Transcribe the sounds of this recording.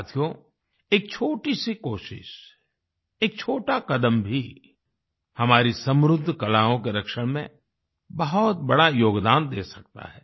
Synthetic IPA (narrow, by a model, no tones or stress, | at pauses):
t̪ʰijõ | eːk̚t͡ʃʰoːʈisikoːʃɪ̰ʃ | eːk̚t͡ʃʰoːʈakɐd̪əmbʱi | hɐmaːɾisɐ̃mɾʊd̪ʱːkɐlaːɦõkeɾɐkʃəɽ̃mḛ̃ | bɐɦɔt̪̚bɐɽajoːɡd̪aːnd̪eːsɐk̚t̪a̰ɦɛː